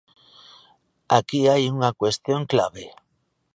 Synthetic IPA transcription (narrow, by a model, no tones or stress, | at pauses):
akiajuŋakwest̪joŋkla̰βe